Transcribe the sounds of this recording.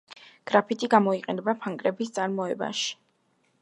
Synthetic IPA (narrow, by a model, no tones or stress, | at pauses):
ɡ̥ɾapʰit̪ʼiɡamɔiqʼɛnɛbapʰaŋkʼɾɛbist̪sʼaɾmɔɛba̰ʃi̥